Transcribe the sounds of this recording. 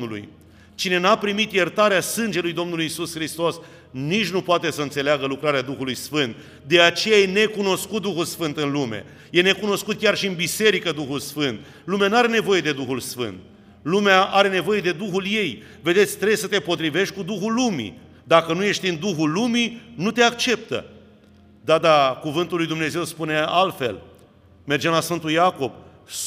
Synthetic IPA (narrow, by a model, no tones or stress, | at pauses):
ulṵj | t͡ʃine̞napɾimit̪jert̪aɾeasɨnd͡ʒe̞lujd̪o̞mnulujisusxɾist̪o̞s | nit͡ʃʲnupoat̪e̞səɨnt̪se̞leaɡəlukɾaɾead̪uxulujsfɨnt̪̚ | d̪e̞at͡ʃe̞jaje̞ne̞kuno̞skut̪̚d̪uxulsfɨnt̪ɨnlumḛ | je̞ne̞kuno̞skut̪̚kʲarʃiɨnbise̞ɾikəd̪uxulsfɨnt̪ | lumeanuaɾe̞ne̞vo̞je̞d̪e̞d̪uxulsfɨ̰nt̪̚ | lumeaʔaɾe̞ne̞vo̞je̞d̪e̞d̪uxulje̞j | ve̞d̪e̞t̪sʲt̪ɾe̞besət̪e̞po̞t̪ɾive̞ʃt̪̚ʲkud̪uxulːumḭ | d̪akənuje̞ʃt̪ʲind̪uxulːuminut̪e̞akt͡ʃe̞p̚t̪ə̰ | d̪ad̪akuvɨnt̪ulːujd̪umne̞ze̞wspune̞alt̪fe̞̰l | me̞rd͡ʒemlasfɨnt̪ujako̞b̥